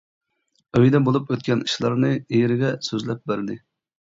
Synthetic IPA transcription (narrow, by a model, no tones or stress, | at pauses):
øjd̪ɛbolˠupøt̪̚kʲɛniʃlˠɑɾnɨijɾɪɡʲɛsøzlɛp̚bæɾd̪ɪ